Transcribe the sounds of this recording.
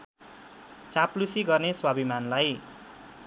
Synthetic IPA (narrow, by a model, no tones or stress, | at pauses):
t͡saplusiɡʌrneswabimanlaj